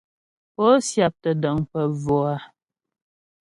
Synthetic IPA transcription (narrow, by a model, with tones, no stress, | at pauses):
pɔ˦sja˨p̚tə˨də˨ŋpə˨vɔ˨a˨˦